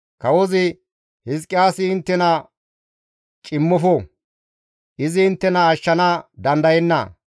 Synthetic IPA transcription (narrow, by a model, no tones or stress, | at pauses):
kɐwɔzɪ | hɪskʼːɪjaːsɪːnt̪ːɛnɐ | t͡ʃʼɪmːɔfɔ | ʔɪzɪːnt̪ːɛnɐːʃːɐnɐd̪ɐnd̪ɐjɛnːɐ̰